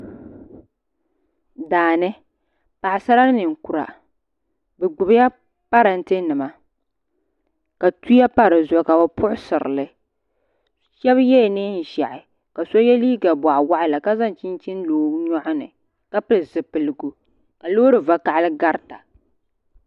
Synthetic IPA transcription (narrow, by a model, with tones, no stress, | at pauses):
daː˨nɨ˦ | pa˨ɪ˨sa˦ɾa˦nɨ˨ŋ˨ku˨ɾa̰˨ | bɛ˨ɡ͡bʊ˨bja˦ | pa˦ɾɨ˨n̩˦tɨ˦nɨ˨ma˨ | ka˨tu˦ja˦pa˦ɾɨ˨zʊ˨ka˨ba˦pʊ˦ʔʊ˦sɨ˨ɾɨ̰˨lɨ˦ | ʃɛ˦βjɛ˦˨nɨ˦n̩˨ʒa˨ʔɪ˨ | ka˨so˦jɛ˦liː˦ɡa˨ba˨ʔwa˦ʔɪ˦la˨ka˦za˦n˨t͡ʃi˦n˦t͡ʃi˦n˦loː˨˦ɲɔ˦ʔʊ˦nɨ̰˨ | ka˦pɨ˦lzɨ˨pɨ˨lɨ˨ɡu˨ | ka˨loː˦ɾɨ˨va˨ka˨ʔlɨ˦ɡa˦ɾta˨